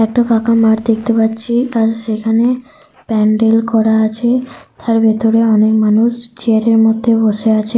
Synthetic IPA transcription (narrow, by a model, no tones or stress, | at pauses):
ɛk̚ʈapakamaɾd̪ek̚t̪epat̪ːɕʰiaɾʃekʰane | pɛɳɖelkɔɾaat͡ɕʰet̪ʰaɾbet̪oɾeɔnekmanuʃt͡ɕeaɾeɾmod̪ʱːeboʃeat͡ɕʰe